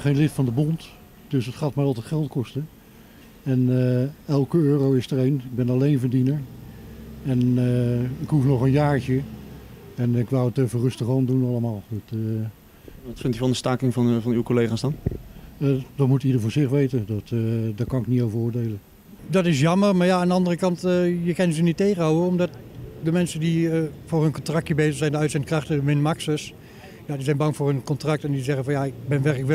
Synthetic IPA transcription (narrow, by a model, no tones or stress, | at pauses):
χejnlɪtfɑndəbɔnt | d̥ɵsətχaːtmaɹɑlˠtɛjtχɛlˠtkɔstə | ɛnɛlˠkəøːrowɪstərejnɪɡ̚bɛnɑlejnvəɹdinəɹ | ɛn | ɪkɦufnɔχənjaːɹt͡ʃə | ɛnɪkʋowətəvərɵstəχɔndunɑlˠəmaːlˠɑtə | ʋɑtfɪntjəvɑndəstaːklɪŋvɑnvɑnywkolejχaːsdɑn | dɑtmutidəɹvʊːɹzɪχʋejtəndɑtdaːɹkɑnɪkniowvəɹʊːɹdejlən | dɑtɪs̬jɑmərmaːɹjaːndəɑndərəkɑntəjəkɛnzənitːejχənɦawəɔmdɑtdəmɛnsəndiəvʊːrɦənkɔntrɑk̚təbejzərsɛjndəœtsɛntkrɑχtədəmɪnmaksəs | jaːdizɛjnbɑŋvʊːrɦənkɔntrɑk̚tɛndizɛχənvɑnjaɪk̚bɛnʋɛɹkləkʋ